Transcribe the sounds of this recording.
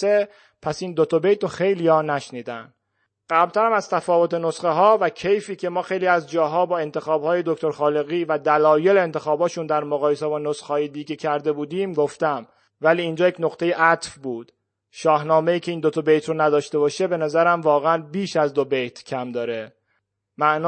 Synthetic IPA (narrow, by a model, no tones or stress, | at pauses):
e | pʰæsiːnd̪ot̪ʰobejt̪ɾoxe̞jliːjɒːnæʃniːd̪æn | ɢ̥æblt̪ʰæɾæmæz̥t̪ʰæfɒːvo̞t̪enosχeɦɒːvæcʰe̞jfiːcʰe̞mɒːxe̞jliːæzd͡ʒɒːɦɒːbɒːe̞nt̪ʰe̞xɒːbhɒːje̞d̪oct̪o̞ɾxɒːleɣiːvæd̪ælɒːje̞leent̪ʰe̞xɒːbɒːʃund̪æɾmoɣɒːje̞sebɒːnosxhɒːjed̪iːɡecʰæɾd̪e̞buːd̪iːmɡoft̪æm | væliːnd͡ʒɒːjecnoqt̪ʰe̞jeʔæt̪fbuːd̪̥ | ʃɒːhnɒːme̞iːcʰe̞iːnd̪ot̪ʰobejt̪ʰɾonæd̪ɒːʃt̪e̞bɒːʃe̞be̞næzæɾæmvɒːɣeænbiːʃæzd̪obejt̪ʰcʰæmd̪ɒːɾe | mæʔn